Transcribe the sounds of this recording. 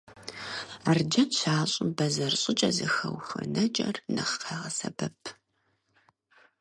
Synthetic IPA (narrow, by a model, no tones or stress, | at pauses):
ard͡ʒɐnɕaːɕʼʊbɐzɐrɕʼɪt͡ʃʼɐzɨxɐwxɐ̰nɐt͡ʃʼɐ̰rnɐχqeʁɐsɐbɐpʰ